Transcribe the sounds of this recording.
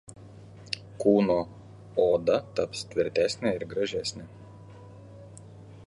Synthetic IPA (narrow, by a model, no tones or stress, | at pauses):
kuːnoː | oːd̪ɐt̪ɐpst̪ʲʋʲɪɾʲt̪ʲæsʲnʲæɪɾɡɾɐʒʲæːsʲnʲe